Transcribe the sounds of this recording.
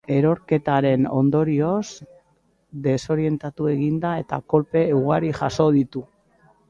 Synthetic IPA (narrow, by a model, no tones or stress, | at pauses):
e̞ɾo̞ɾke̞t̪aɾe̞no̞̰nd̪o̞ɾio̞s | d̪e̞so̞ɾie̞nt̪at̪ue̞ɣind̪ae̞t̪a̰ko̞lpe̞uɣ̞aɾiʝaso̞ðit̪u